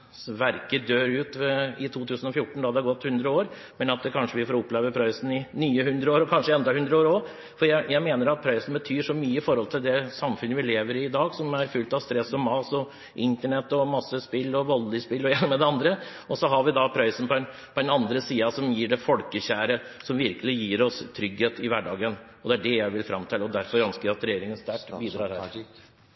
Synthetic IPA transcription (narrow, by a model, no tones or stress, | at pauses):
ʋæɾkəd̪øːɾʉːt̪ʋɛɪt̪ʰuːt̪ʰʉːsən̩ɔfjʊʈːɳ̩d̪ɑːd̪ɛæɾɡɔt̪ːhʉnd̪ɾəoːɾ | mɛnɑt̪̚kʰɑnʂəʋɪfoːɾʊpːleːʋəpʰɾɑɪsn̩ɪnyːəhʉnd̪ɾəoːɾɔkʰɑnʂəɛnd̪ɑhʉnd̪ɾəoːɾɔ | fɔɾjæɪjæɪmeːnəɾɑt̪̚pʰɾɑɪsn̩bət̪ʰyːʂɔmyːəɪfɔɾhɔlt̪ʰɪld̪ɛsɑmfʉnːəʋɪleːʋəɾɪːd̪ɑːɡsɔmæɾfʉlt̪ɑʋst̪ɾɛsːɔmɑːsɔ | ʔɪnt̪əɳɛt̪ːɔmɑsːəspɪlːɔʋɔlːɪspɪlːɔjɛnəmɛd̪ɛɑnd̪ɾə | ɔsɔɦɑɾʋɪd̪ɑpʰɾæɪsən̩pʰɔɛnpʰɔd̪ɛnɑnd̪ɾəsiːɑsɔmjiːɖɛfɔlkəçæːɾə | sɔmʋɪɾkəlɪjiːɾɔst̪ʰɾʏɡheːt̪ɪʋæɖɑːɡən | ɔd̪ɛæɖɛjæɪʋɪlfɾɑmt̪ʰɪlɔd̪æɾfɔɾœnskəɾæɑt̪ɾɛjeːɾɪŋənst̪æʈbiːd̪ɾɑːɾhæ̰ːɾ